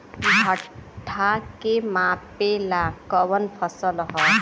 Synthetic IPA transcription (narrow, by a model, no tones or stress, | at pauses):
bʱəʈʰakemapelakəʋənpʰəsəlɦɔ